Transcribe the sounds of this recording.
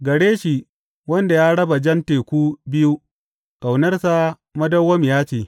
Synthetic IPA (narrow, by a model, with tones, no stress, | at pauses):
ɡɐ˨ɽeː˦ʃi˨ | wɐ˦nda˨jaː˦ɽɐ˦ba˨d͡ʒɐ˦nteː˨kʷuː˦bɪ˦ju˦ | kʼa˨wnɐ˦rsa˦ | mɐ˦dɐ˦wːɐ˦mjaː˦t͡ʃeː˨